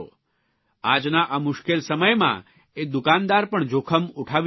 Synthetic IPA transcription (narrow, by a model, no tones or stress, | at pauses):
o̰ | ad͡ʒnaʔamʊʃkelsəməjmã̰ | ed̪ukand̪aɾpəɳd͡ʒokʰəmuʈʰaʋ